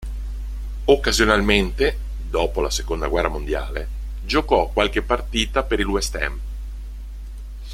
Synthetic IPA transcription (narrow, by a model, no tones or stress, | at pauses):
okːazjonalment̪e | d̪ɔːpolasekond̪aɡwɛrːamond̪ja̰ːle | d͡ʒokɔkwalkepːart̪iːt̪apeɾilwɛst̪ɛ̰m